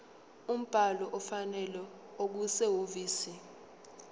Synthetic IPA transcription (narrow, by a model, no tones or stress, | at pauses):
um̩b̥ʱalɔʔɔfanɛlɛ | ok̬usɛɦoviːsi